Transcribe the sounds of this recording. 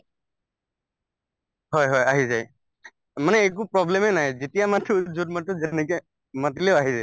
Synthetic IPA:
ɦɔjɦɔjaɦizaj | manɛːk̬upɹɔblɛmɛnajzetijamatʰizudmatɔzɛnɛki | matileʊaɦizɛ

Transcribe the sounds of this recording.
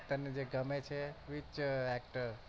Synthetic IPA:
ʈ̪əɾned͡ʒeɡəmet͡ʃʰeʋit͡ʃɛk̚ʈəɾ

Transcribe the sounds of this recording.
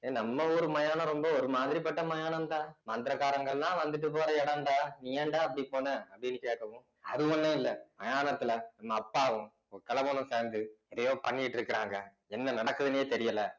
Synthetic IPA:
enɐmːɐɔɾɯmɐjaːnɐ̃ɾɔmbɐɔɾɯmaːðɪɾipɐʈːɐmɐjaːnɐmt̪ãːmaːntd̪ɪɾɐkaːɾɐŋɡɐɭlãːʋɐnd̪ɯʈ̬ːɯp̬ːoːɾɐɛɽɐnɖaːnijɐɳɖaːɐpːɐɽipoːnɐɐpːɐɽɪnːɯkeːkːɐʋʊ̃ | ɐðɯɔnːɐ̃ɪlːɐmɐjaːnɐt̪ːɪlɐnɐmːɐːpːaːʋʊ̃ | ɔɾɯkɐlɐʋɐnɯ̃seːnd̪ɯɛðɐjõːpɐɳːɪjʈːɪɾɯkːɪɾaːŋɡɐ | ɛnːɐnɐɽɐkːɯðɯnɐjeːt̪ɛɾɪjɐlɐ

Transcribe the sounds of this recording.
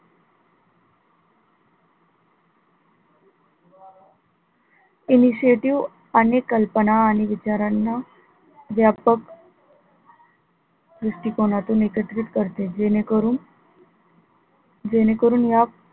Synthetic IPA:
iniɕieʈiʋ | ənekːəlpənaːñiʋit͡ɕaɾanːa | ʋjapək | ɾisʈiːkonat̪ũːnekəʈɾit̪kəɾt̪ee | d͡ʑenekəɾuːnjap

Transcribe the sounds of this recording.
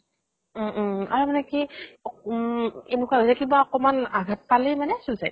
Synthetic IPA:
m̩a̰ɹmanɛkiɔ | enukaɦosaɛkibaɔkɔmanaɡʱat̚palimanɛsusajt̚

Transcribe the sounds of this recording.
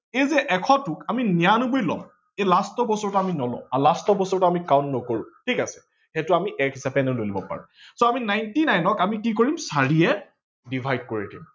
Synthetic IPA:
ezɛʔɛkʰɔtukaminijanubojlɔ̰m | elastɔbɔsɔɹtaaminɔlɔ̰̃alastɔbɔsɔɹtaamikaʊ̃ntnɔkoɹʊ̰̃tʰikasɛ̥ | xɛtʊamiʔɛkɦisapɛnɔlojlibɔ̰pa̰ɹṵ̃soaminajntinajnɔkamikikoɹimsaɹiɛ | dibʱajd̚koɹidḭm

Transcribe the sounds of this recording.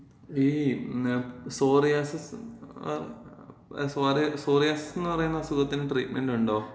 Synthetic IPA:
iː | soːrijaːsɐs | saːɾisoːrijaːsɐsɐnːɨpɐrɐjunːɐɐsukɐt̪ːinʈriːʈmenɖuɳɖo̞ː

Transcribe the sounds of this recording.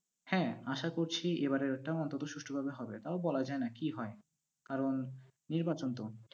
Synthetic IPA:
hɛ̃aʃakoɾt͡ɕʰiebaɾeɾɛk̚ʈaoɔnt̪ot̪oʃuʃʈʰobʱabeɦɔbet̪aobɔlad͡ʑaenakiɦɔe | kaɾonː | iɾbat͡ɕont̪o

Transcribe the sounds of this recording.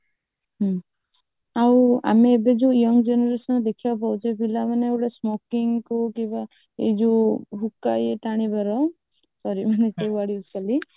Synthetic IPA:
ɦɔ | aw̃a̰meːbed͡ʒujɔŋd͡ʒɔnɔɾesɔnd̪ekʰiawp̬awt͡ʃʰɔpilamaneːwʈasmokiŋkukĩba | ḛd͡ʒuɦukajeʈaɽ̃ibaɾɔ | sɔɾimanesewaɽiuskali

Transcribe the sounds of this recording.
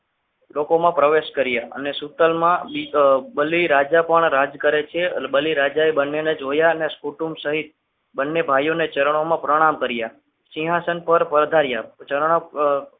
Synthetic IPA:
lokomãpɾəʋeʃkəɾjaə̰nesut̪əlmãbibəliɾad͡ʒapəɳɾad͡ʒkəɾet͡ʃʰebəliɾad͡ʒaebənːened͡ʒɦojaəneskuʈumsəɦit̪̚ | bənːebʱajonet͡ʃəɾəɳ̃omãpɾəɽ̃amkəɾja | sĩɦasənpəɾpəɾd̪ʱaɾjat͡ʃəɾɳ̃o

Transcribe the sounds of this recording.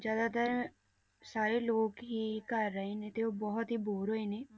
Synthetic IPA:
d͡ʒjaːd̪at̪əɾ | saːɾeːloːkɦiːkəɾːəɦeːnẽːt̪eoːbɔɦɔt̪ɦiːboːɾɦoːiːneː

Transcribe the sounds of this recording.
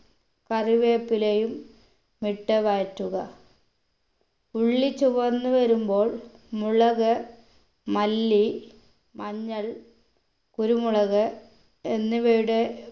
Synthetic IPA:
kɐriʋe̞ːpːilejumː | iʈːɐʋaːtːuɣɐ | uɭːit͡ɕːuʋɐnːuʋɐɾumbo̞ːɭmuɭɐɣɐ | mɐlːi | mɐɲːɐɭ | kuɾumuɭɐɣɐ | enːuʋejuɽe

